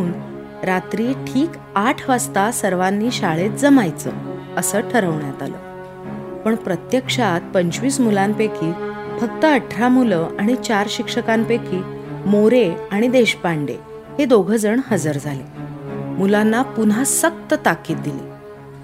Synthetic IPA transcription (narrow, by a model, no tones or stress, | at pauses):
əuːn | ɾat̪ɾiːʈʰiːk | aʈʰʋast̪asəɾʋanːiːɕaɭet̪̚d͡zəmajt͡sə̰ | əsəːʈʰəɾəʋɳjat̪a̰lə̰ː | pəɳpɾət̪jəkʂat̪̚pəɲt͡ɕʋiːsmulampekʰiːfək̚t̪əəʈʰɾamuləaɽ̃it͡ɕaɾɕikʂəkampekʰiːmoɾeaɽ̃id̪eɕpaɳɖḛ | hed̪oɡʱəd͡zəɳɦəd͡zəɾd͡zʱalemulanːapunɦasək̚t̪ət̪akːiːt̪̚d̪ilḭː